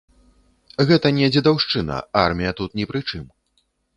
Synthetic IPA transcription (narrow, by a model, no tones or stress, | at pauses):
ɣɛt̪ɐnʲɛd͡zʲid̪awʂt͡ʂɨnɐ̰armʲijɐt̪ut̪nʲɛpɾɨt͡ʂɨm